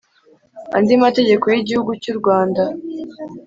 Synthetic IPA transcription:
a̰ndimateɟe̞ko̞jiɟihuɡucuɾɡwaːnda

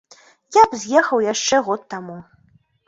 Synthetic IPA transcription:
jabzʲjɛxɐwjaʂt͡ʂɛɣɔt̪ːamu

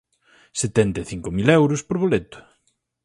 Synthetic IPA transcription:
set̪ɛnt̪eθiŋkʊmilɛwɾʊspoɾβolet̪ʊ̥

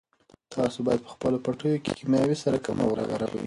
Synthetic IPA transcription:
t̪ʰɑsobɑjad̪̚pə̥xpəlopaʈəjoke̥̰kimjɑwisaɾakama̰wɾɑ̰ɣaɾa̰wḭ

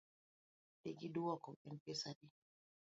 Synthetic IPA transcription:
deɡiduwakɔɛnpɛsaɗi

